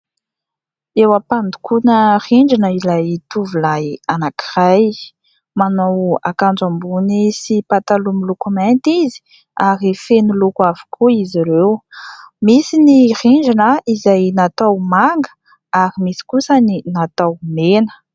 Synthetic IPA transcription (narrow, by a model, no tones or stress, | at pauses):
ewapand̪u̥kunəriɳd͡ʒanəilajt̪uvulajanaki̥raj | manowa̰kand͡zambunisipat̪alumilukumɛnt̪izi̥ | aɾifenulukavu̥kʰuiziɾew | misiniriɳd͡ʒanəizajnat̪awmaŋɡə | aɾimisi̥kusəninat̪awmenə̥